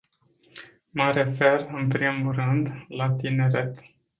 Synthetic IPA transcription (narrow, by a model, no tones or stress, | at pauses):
məɾe̞ferɨnpɾimurɨnd̪lat̪ine̞ɾet̪